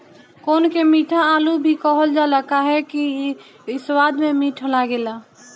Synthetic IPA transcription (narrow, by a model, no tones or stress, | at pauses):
koːnkemiʈʰaːlubʱikəɦəld͡ʒaləkaɦɛki | ɪswad̪memiʈʰəlaɡela